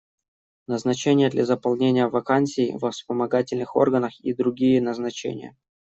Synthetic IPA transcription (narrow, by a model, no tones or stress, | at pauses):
nəznɐt͡ɕenʲɪjəd̪lʲɐzəpɐlˠnʲenʲɪjəvɐkansʲɪːvəfspəmɐɡatʲɪlʲnɨxo̞̰rɡənəxid̪ɾʊɡʲijənəznɐt͡ɕḛnʲɪ̰jə̰